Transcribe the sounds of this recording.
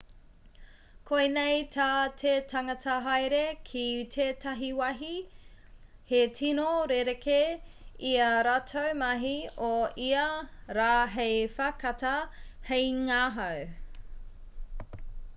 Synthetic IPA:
kʰojnejtʰaːtʰetʰɐŋɐtʰɐɦajɾekʰitʰeːtʰɐɦiwɐɦi | hetʰinoɾeɾekeiɐɾatʰowmɐɦioiɐɾaːɦejfakɐtɐhejŋaːɦɐw

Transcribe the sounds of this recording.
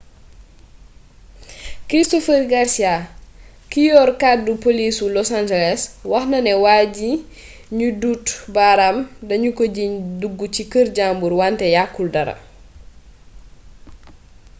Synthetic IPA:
kɾistofəɾɡaɾsia | kijɔːɾkat̚dupolisulɔsand͡ʒɛlɛswɐxnɐnɛwaɟi | ɲudutbaɾamdɐɲukoɟiɲduɡːucikəɾɟambuɾwantɛjakːuldɐɾɐ̰

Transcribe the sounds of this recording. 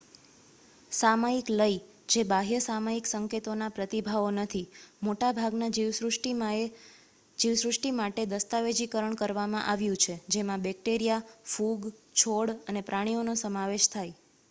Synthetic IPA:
samaikləi | d͡ʒebaɦjəsamaiksəŋket̪onapɾət̪ibʱaʋonət̪ʰimoʈabʱaɡnaiʋʈ | d͡ʒiʋsɾʊʂʈimaʈed̪əst̪aʋed͡ʒikəɾəɳkəɾʋamãʔaʋjũt͡ʃʰed͡ʒemãbɛk̚ʈeɾijafuɡt͡ʃʰoɽənepɾaɽ̃ionosəmaʋeʃt̪ʰaj

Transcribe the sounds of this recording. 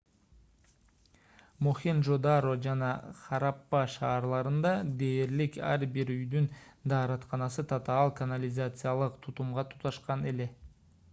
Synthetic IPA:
moχinʒod̪aɾod͡ʒɑnɑχɑɾɑpːɑʃɑːɾlˠɑɾɯnd̪ɑd̪e̞ːɾlikæ̰ɾbiɾyjd̪ynd̪ɑːɾɑt̪qɑnɑsɯt̪ʰat̪ɑɑlˠkanalʲɪzat̪sɨjalˠɯqt̪ʰut̪umʁɑt̪ʰu̥t̪ɑʃqɑne̞le̞

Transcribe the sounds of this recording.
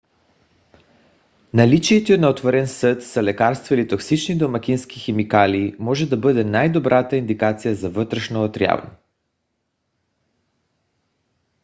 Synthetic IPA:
nalit͡ʃiɛt̪ɛnaot̪voɾɛnsɤt̪səlɛkaɾst̪vailit̪oksit͡ʃnid̪omakʲinski̥xɛmikaliːmɔʒɛd̪abɤd̪ɛnajd̪obɾʔat̪aind̪ikat̪sijazavɤt̪ɾɛʃnoːt̪ɾja̰v̰nɛ

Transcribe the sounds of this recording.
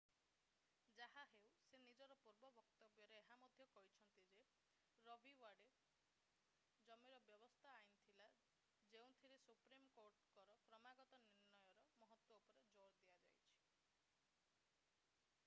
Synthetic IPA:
d͡ʒaɦaɦewsenid͡ʒɔɾɔpuɾbɔbɔkt̪ɔbjɔɾeːɦamɔd̪ʱjɔkɔɦit͡ʃʰɔnt̪id͡ʒe | ɾɔbʱiwaɖe | d͡ʒɔmiɾɔbjɔbɔst̪ʰaːint̪ʰila | d͡ʒeũt̪ʰiɾesupɾimkoɾʈkɔɾɔpɾɔmaɡɔt̪ɔniɾnɔjɔɾɔmɔɦɔt̪wɔupɔɾed͡ʒoɾd̪iad͡ʒa̰jt͡ʃʰi̥

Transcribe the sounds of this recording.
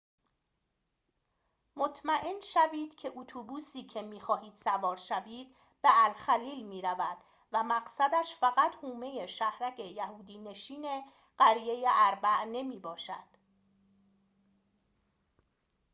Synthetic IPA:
mot̪ʰmæʔenʃæviːd̪̥cʰe̞ʔut̪ʰuːbuːsiːcʰe̞miːxɒːhiːd̪̥sævɒːɾʃæviːd̪̥ | be̞ʔælxæliːlmiːɾævæd̪̥ | væmæɢsæd̪æʃfæɣæt̪huːme̞je̞ʃæhɾæcʰejæhuːd̪iːne̞ʃiːne̞ | ɢ̥æɾije̞jeʔæɾbæʔne̞miːbɒːʃæ̰d̪̥

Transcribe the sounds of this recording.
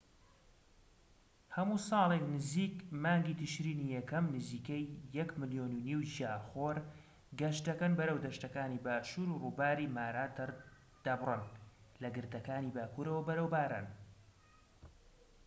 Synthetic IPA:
hɐmuːsɑːlˠeknɨziːkmaːŋɡiːt̪ʰɨʃɾiːniːjɛkɐmnɨziːkɛjːɛkmɨljoːnuniwʃjaːxoːɾ | ɡɐʃt̪̚d̪ɐkɐnbɐɾɐwd̪ɐʃt̪ɐkaːniːbaːʃuːɾuruːbaːɾiːmaːɾaːt̪ | d̪̥ɐbrɨnlɐɡɨɾd̪ɐkaːniːbaːkuːɾɐwɐbɐɾɐwbaːɾa̰n

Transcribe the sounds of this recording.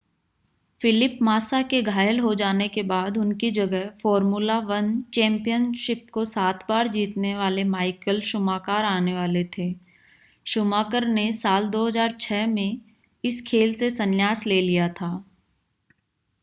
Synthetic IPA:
fɪlɪpmaːsakeɡʱaːjəlɦod͡ʒaːnekebaːd̪ʊnkid͡ʒɐɡɛɦfɔːɾmuːlaʋɐnt͡ʃɛ̃ːmpijənʃɪp̚kosaːt̪ʰbaːɾd͡ʒiːt̪neʋaːlemaːɪkəlʃʊmaːkaːɾaːneʋaːlet̪ʰeː | ʃʊmaːkəɾnesaːld̪oːɦəzaːɾt͡ʃʰɛːmẽ | ɪskʰeːlsesɐ̃njaːsleːlijat̪ʰaː

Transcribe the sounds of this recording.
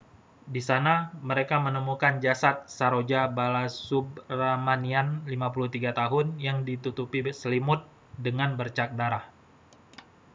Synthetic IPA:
disanaməɾekamənəmukand͡ʒasat̪̚saɾod͡ʒabalasubramanianlimap̬ulut̪iɡat̪aɦʊnjaŋdit̪ut̪upisəlimʊt̪̚ | dəŋanbərt͡ʃak̚daɾah

